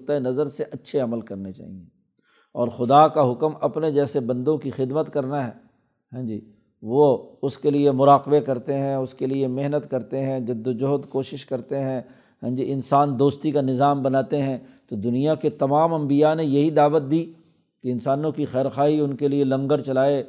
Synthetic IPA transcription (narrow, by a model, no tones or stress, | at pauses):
t̪aenɐzəɾseʔɐtːʃʰeɐməlkɐɾnet͡ʃa̰ːɦie | ɔːɾxʊd̪akaɦʊkmɐpned͡ʒɛːsebɐ̃nd̪õkixɪd̪mət̪kɐɾnaɦɛː | ɦɛ̃ːd͡ʒiː | ʋoʊskeliemʊɾaːqbekɐɾt̪eɦɛ̃ʊskeliemeɦnət̪kɐɾt̪eɦɛ̃d͡ʒɐd̪ːod͡ʒoːd̪koːʃɪʃkɐɾt̪eɦɛ̃ː | ɦɛ̃ːd͡ʒiɪnsaːnd̪oːst̪ikanɪzaːmbɐnaːt̪eɦɛ̃t̪od̪ʊnijaket̪ɐmaːmɐ̃mbijanejɐɦid̪aːʋət̪̚d̪iː | keɪ̃nsaːnõkixɛːɾxaːɦiʊnkelielɐ̃ŋɡəɾt͡ʃɐlaːe